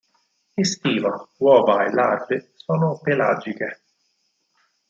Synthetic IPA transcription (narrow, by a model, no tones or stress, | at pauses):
ist̪iːvawɔːvaelːarbɪsɔːnʊpela̰d͡ʒike